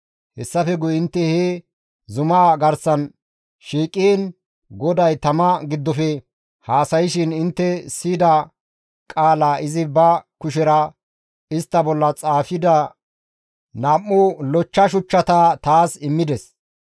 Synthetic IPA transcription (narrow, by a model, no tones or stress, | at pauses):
hɛsːɐfɛɡʊɪnt̪ːɛhe | zʊmaːɡɐɾsɐn | ʃiːkʼin | ɡɔd̪ɐjt̪ɐmɐɡɪd̪ːɔfɛ | haːsɐjɪʃɪnɪnt̪ːɛsiːd̪ɐ | kʼaːlaːɪzɪbɐkʊʃ̬ɛɾɐ | ɪst̪ːɐbɔlːɐt͡sʼaːfɪd̪ɐ | naːmːʊlɔt͡ʃːɐʃ̬ʊt͡ʃːɐt̪ɐt̪aːsɪmːɪd̪ɛs